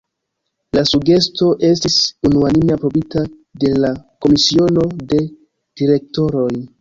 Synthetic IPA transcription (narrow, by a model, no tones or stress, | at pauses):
lasuɡe̞sto̞ʔe̞stisunuanimeapɾo̞bita | de̞lako̞misio̞no̞de̞ | d̥iɾe̞k̚to̞ɾo̞j